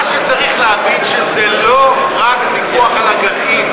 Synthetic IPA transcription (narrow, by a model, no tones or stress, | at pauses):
ʃet͡saʁiχleavidʃezelo̞ | ʁakmikoaχalaɡaʔim